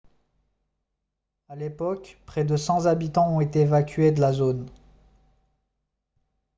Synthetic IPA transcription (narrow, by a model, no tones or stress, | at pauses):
alepɔkpχɛd̪əsɑ̃zabit̪ɑ̃ɔ̃et̪eːvakʲɥed̪əlazon